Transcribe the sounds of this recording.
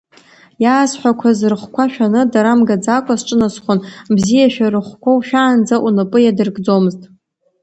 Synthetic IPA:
jaːsħʷᶣakʷʰazɨrχʷkʷʰaʃᶣanɨdaɾamɡad͡zakʷʰasʈ͡ʂʼɨnasχʷʊnbzijaʃᶣaɾɨχʷkʷʰawʃᶣaːnd͡zaʔunɨpʼɨjadɨrɡd͡zomɨztʼ

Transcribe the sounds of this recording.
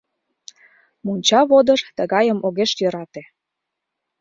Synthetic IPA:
munʲt͡ɕɑβod̪əʃt̪əɣɑjəmʔoɣeʃjøɾɑt̪e

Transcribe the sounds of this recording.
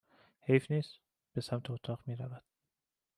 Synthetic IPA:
hejfniːz̥ | b̥e̞sæmt̪ʰeot̪ʰɒːʁmiːɾævæd̪̥̚

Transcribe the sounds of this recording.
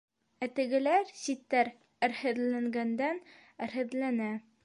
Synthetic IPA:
æt̪ɘ̆ɡɘ̆læɾsit̪ːæɾ | ɘ̆ɾhɘ̆ðlæŋɡænd̪æn | ɘ̆ɾhɘ̆ðlænæ

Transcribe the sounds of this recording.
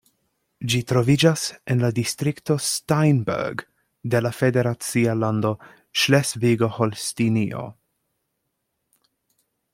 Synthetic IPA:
d͡ʒitɾo̞vid͡ʒasenladistɾikto̞stajnbḛɾɡ | de̞lafe̞de̞ɾat͡sialando̞ | ʃlesviɡo̞holstinio̰

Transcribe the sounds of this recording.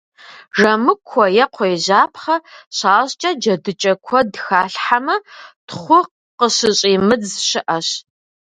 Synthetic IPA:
ʐɐmɨkʷʰːɔjɛqʷʰɔjʑaːpʰχɐɕaːɕt͡ʃʼɐd͡ʒɐdɨt͡ʃʼɐkʷʰɔdxaːɬħamɐtχʷʊq | qəɕɨɕʼiːmɨd͡zɕɪʔɐɕ

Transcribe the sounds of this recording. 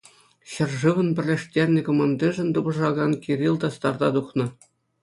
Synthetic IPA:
ɕɘ̆rʐɯʋɤ̆npʲɘ̆rʲlʲeʂtʲerʲnʲɘ̆kŏmɑnd̪ʲiʐɘ̆nʲt̪ubɤ̆ʐɑɡɑnkʲiɾʲilʲˠd̪ɑst̪ɑrd̪ɑd̪uχnɤ̆

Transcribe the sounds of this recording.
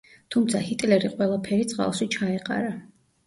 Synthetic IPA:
t̪ʰumt̪sʰahit̪ʼlɛɾiqʼwɛlˠapʰɛɾit̪sʼqʼa̰lˠʃit͡ʃʰaɛqʼa̰ɾa

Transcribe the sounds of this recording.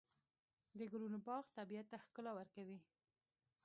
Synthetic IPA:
d̪əɡʊlunobɑɣt̪abijat̪ːaxkəlawəɾkawi

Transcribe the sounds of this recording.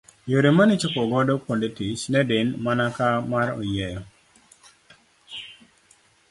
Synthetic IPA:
joɾemanɪt͡ʃʊkɔɡɔdɔkwondetit͡ʃnɛdɪnmanakamaɾɔ̰jɛjɔ

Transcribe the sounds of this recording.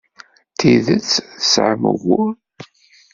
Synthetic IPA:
t̪iðət͡sːθsʕəmə̰ɣʊ

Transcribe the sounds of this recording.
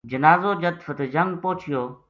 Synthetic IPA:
d͡ʒənaːzoːd͡ʒət̪fət̪ed͡ʒɐŋɡ̚poːt͡ʃʰɪjoː

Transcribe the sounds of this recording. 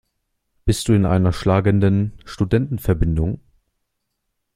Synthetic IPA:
b̥ɪst̚d̥uːɪnʔa̰ɪnɐʃlaːɡəndənʃtudɛntn̩fɛɐbɪndʊŋ

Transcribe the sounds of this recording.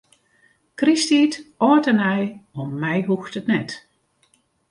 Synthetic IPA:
kristiːtɔːtənɛjɔmːɛjɦuxtətnɛt

